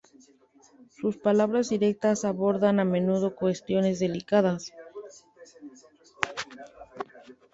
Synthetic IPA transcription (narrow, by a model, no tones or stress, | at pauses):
suspalaβ̞ɾazðiɾe̞k̚t̪asaβo̞ɾðaname̞nuð̞o̞kwe̞st̪jo̞ne̞zðe̞likað̞as